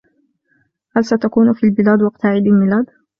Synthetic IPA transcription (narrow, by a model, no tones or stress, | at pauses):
halsat̪akuːnfiːlbɪlaːd̪wɑqt̪aʕɪd̪almɪlaːd̪